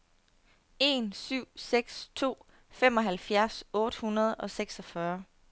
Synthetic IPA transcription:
e̝nsyʊ̰seɡ̥st͡sʰo̝̰ː | fem̰ɒ̽ɦælfjæɐsɔ̽ːd̥əhunɐð̞̩ˠɒ̽seɡ̥sɒfɶːɐ

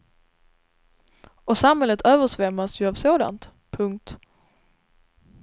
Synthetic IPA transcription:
ɔsamhɛlːət̪ʰøːvəʂvɛmːasjɵavsoːd̪a̰nt̪ | pʰɵŋkt̪

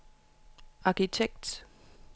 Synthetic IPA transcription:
ɑ̈kʰit͡sʰeɡ̥̚d̥

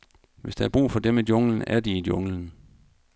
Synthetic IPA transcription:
ʋe̝sd̥ææɐb̥ʁṵːfɒ̽d̥emed̥jo̽ŋlən̩æɐd̥iid̥jo̽ŋlən̩

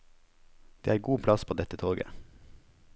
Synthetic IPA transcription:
d̪̥eːæːɾɡuːpʰlɑspʰoːd̪ɛt̪ət̪ʰoːɡə̰

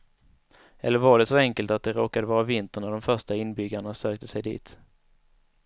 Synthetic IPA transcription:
ʔɛ̰lːəɾvaɖɛsɔɛŋkəlt̪at̪̚d̪ɛɾoːkad̪əvɑːɾavɪnt̪əɳaɖɔmfœʂʈaɪnbʏɡːaɳasøːk̚t̪ʰəsɛjd̪ḭːt̪

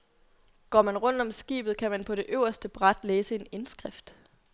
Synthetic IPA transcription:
ɡ̥ɒ̰ːmænʁɔ̽n̰d̥ɒ̽msɡ̥ḭːb̥ð̩ˠkʰæmænpʰɒ̽ɾ̥e̝ʔøʊ̰ɐsd̥əb̥ʁad̥leːsəe̝ne̝nsɡ̥ʁafd̥

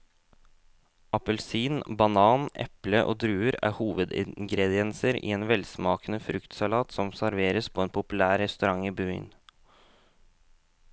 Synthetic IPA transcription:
ʔɑpəlsiːnbɑnɑːnʔɛ̰pləʔo̰ːd̪ɾʉːəɾæ̰ːhuːʋəd̪ɪ̰ŋɡɾɛd̪ɪɛnsəɾḭːeːnʋɛlsmɑːkənəfɾʉkt̪sɑlɑːt̪sɔmsæɾʋeːɾəspʰoːeːnpʰʊpʉlæːɾɛst̪ʉɾɑŋiːby̰ːn

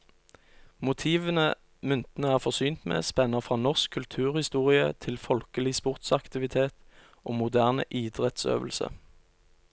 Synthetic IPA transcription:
mʊt̪ʰiːʋənə | mʏnt̪nəæːʁfɔʁsyːnt̪mḛːspɛnəfʁɑːnɔʁskʰːʉlt̪ʰʉːʁhɪst̪uːʁɪə̰t̪ʰɪlfɔlkəlɪspʊʁt̪sɑkt̪ɪʋɪt̪ʰeːt̪ | ʔoːmʊd̪æːʁnə̰ʔiːd̪ʁɛt̪sø̰ːʋəl̩sə̰

